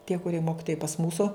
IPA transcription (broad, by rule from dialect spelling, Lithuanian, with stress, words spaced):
tʲiɛ kʊˈrʲiɛ ˈmoːkʲɪtoːjɛɪ pɐs ˈmuːsʊ